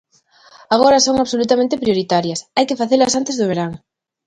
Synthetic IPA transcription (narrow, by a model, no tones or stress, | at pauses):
aɣ̞oɾɐsoŋaβsolut̪amẽnt̪ɪpɾioɾit̪aɾjɐsajkefaθelɐsant̪ezðʊβ̞eɾaŋ